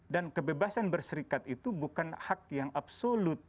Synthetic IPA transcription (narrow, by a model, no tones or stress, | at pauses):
dankəbebasanbərsəɾikat̪it̪ubukanhak̚jaŋʔapsolʊt̪̚